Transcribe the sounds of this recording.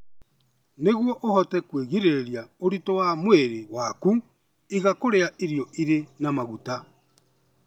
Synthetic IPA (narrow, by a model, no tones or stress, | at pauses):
neɣwɔʔohɔtɛkweɣiɾeɾjaoɾitɔwamweɾewaku | iɣakoɾeaʔiɾjɔiɾenamaɣuta